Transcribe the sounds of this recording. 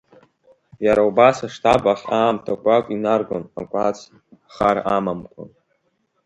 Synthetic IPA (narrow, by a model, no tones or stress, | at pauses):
jaɾaubasaʂtʰabaχʲaːmtʰakʷʼakʷʼinarɡʷona̰kʷʼat͡sʰʼ | χaɾamamkʷʼo̰n